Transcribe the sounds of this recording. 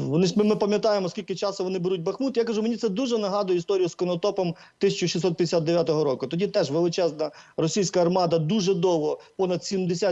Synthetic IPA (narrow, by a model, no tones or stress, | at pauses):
ʋɔnɪmɪmɪpɐmʲjɐt̪ɑjemɔskʲilʲkɪt͡ʃɑst̪ɔʋɔnɪbeɾut̚ʲbɐxmut̪jakɐʒumenʲit̪sɛd̪uʒɛnɐɦɑd̪ʊjɛist̪ɔɾʲijʊskɔnɔt̪ɔpɔm | t̪ɪsʲɐt͡ʃʊʃisɔt̪̚pʲɐd̪ʲɪsʲat̪d̪eʋʲjat̪ɔɦɔɾɔkʊt̪ɔdʲit̪ɛʒʋelˠɪt͡ʃɛznɐrɔsʲijsʲkɐːrmɑd̪ɐd̪uʒɛd̪ɔʋɦɔpɔnɐd̪sʲimd̪esʲa